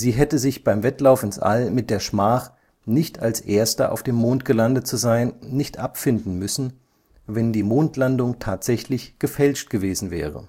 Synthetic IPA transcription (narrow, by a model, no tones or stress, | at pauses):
ziːɦɛtəzɪçb̥aɪmvɛtlaʊfɪnsʔa̰lmɪt̚d̥eːɐʃmaːχ | nɪçtalsʔeːɐstɐ̰ʔa̰ʊfd̥eːmːoːntɡ̥əlandət̚t͡suzaɪnːɪçtʔapfɪndn̩mʏsn̩ | vɛndiːmoːntlandʊŋtʰaːtz̥ɛçlɪçɡ̥əfɛlʃt̚ɡ̥əveːzn̩vɛ̰ːʁə̰